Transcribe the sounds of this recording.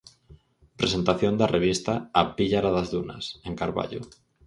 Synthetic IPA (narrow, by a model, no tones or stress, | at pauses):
pɾese̞nt̪aθjond̪arʔeβ̞ist̪aːpiʎaɾaðazðuna̰seŋkaɾβa̰ʎo̰